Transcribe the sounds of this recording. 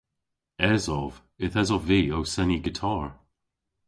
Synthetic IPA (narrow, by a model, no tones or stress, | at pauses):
ɛzɔv | ɪθɛzɔvːiːowsɛniɡətʰaːɹ